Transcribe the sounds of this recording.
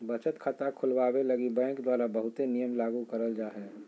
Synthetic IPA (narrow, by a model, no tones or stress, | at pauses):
bət͡ʃət̪kʰat̪akʰʊlwabeləɡibɛ̃ːŋkd̪waːɾabəɦʊt̪enijəmlaːɡukəɾəld͡ʒaːɦɛː